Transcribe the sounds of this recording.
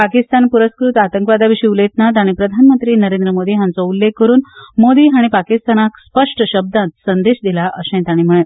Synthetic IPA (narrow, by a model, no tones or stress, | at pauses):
pakist̪anpuɾəskɾut̪at̪ə̃ŋkʋad̪aʋiɕiːulet̪nat̪aɽ̃ipɾəd̪ʱanmənt̪ɾiːnəɾẽnd̪ɾəmod̪iːɦjãnt͡sɔulːeɡ̚kːəɾuːnmod̪iːɦaɽ̃ipakist̪anakspəʂʈəɕəb̚d̪ãt̪sənd̪eɕd̪ilaʔəɕɛ̃t̪aɽ̃im̤əɭ̃e